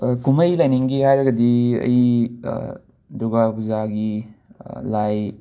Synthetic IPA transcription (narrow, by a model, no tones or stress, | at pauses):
kumɐjlajniŋɡiɦajɾɐɡɐdiɐ̰jḭ | duɡabuzaɡi | laj